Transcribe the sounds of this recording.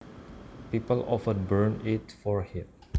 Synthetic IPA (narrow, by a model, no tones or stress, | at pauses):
pipəlɔfəd̚bəɹnɪtfɔɹhim